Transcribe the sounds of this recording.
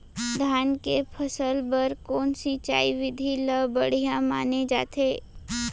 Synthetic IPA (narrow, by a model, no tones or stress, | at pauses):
d̪ʱjaːnkepʰəsəlbəɾkɔːnsit͡ʃa̰ːiʋɪd̪ʱiləbəɽ̤ijãma̰ːned͡ʒa̰ːt̪ʰeː